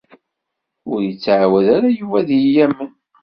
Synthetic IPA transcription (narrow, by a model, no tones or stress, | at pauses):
ʊɾjət͡sːʕwæðaɾajuvæðjijæmːən